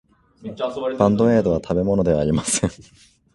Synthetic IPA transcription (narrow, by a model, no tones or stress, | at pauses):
b̥ãnd̪o̞e̞ːd̪o̞βat̪ʰabe̞mo̞no̞d̪e̞βaɾʲimasẽŋ